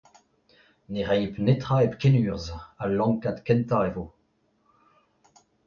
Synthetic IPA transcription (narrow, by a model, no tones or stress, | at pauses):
neʁɛjpnet̪χaepkenyːʁzalɑ̃ŋkad̪kɛnt̪aevo